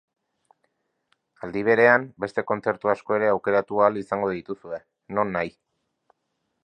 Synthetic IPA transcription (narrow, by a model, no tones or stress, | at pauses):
ald̪iβ̞e̞ɾe̞ambe̞st̪e̞ko̞nt͡se̞ɾt̪uasko̞e̞ɾe̞awke̞ɾat̪ualisaŋɡo̞ðit̪usue̞ | no̞nːaj